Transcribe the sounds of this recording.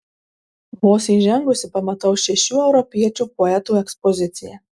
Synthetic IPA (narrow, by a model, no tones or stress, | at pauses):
moːsʲiʒʲɛŋɡʊsʲɪpɐmɐt̪ɐʊʃʲɛʃʲuːɛʊɾɔpʲiɛt͡ʃʲupɔɛt̪uːɛkspɔzʲɪt̪sʲɪjɛ